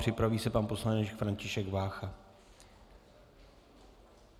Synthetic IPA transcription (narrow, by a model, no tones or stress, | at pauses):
r̥ɪpɾaviːsɛpaːnpo̞slanɛt͡ʃkfɾancɪʃɛɡvaːxa